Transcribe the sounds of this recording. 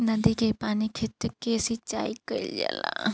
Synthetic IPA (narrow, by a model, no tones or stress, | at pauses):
nɐd̪ikepaːnikʰet̪kesit͡ʃaːikəḭld͡ʒa̰la̰